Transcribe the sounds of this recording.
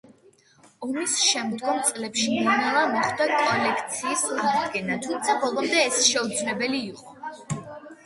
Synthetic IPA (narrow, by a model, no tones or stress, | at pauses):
ɔmisʃɛmd̪ɡɔmt̪sʼlɛpʃininɛlˠamɔχd̪akʼɔlɛkʰt̪sʰiːsad̪ɡɛnat̪ʰumt̪sʰabɔlˠɔmd̪ɛːsʃɛud̪zlɛbɛliːqʼɔ